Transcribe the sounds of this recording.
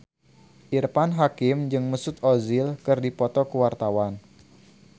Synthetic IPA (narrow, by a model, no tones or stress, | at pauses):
ʔirpanɦakɪmd͡ʒɨŋməsʊt̪̚ɔzilkɨrdipɔt̪ɔkəwart̪awan